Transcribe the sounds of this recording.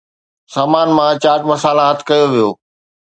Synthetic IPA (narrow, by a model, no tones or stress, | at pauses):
saːmaːnmãt͡ɕaːʈmɐsaːlãɦɐt̪ʰɪ̥kɐjoʋijo̰ː